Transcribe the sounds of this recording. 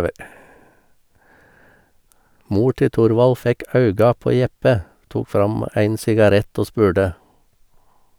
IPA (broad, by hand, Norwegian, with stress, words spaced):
ˈmuː ˈʈɪ ˈtʊɾʋɑl ˈfɛk ˈɑʉɡɑ ˈpoː ˈjɛpə ˈtuːk ˈfɾɑm ˈæɪn sɪɡɑˈɾɛt ˈoː ˈspʉːɖə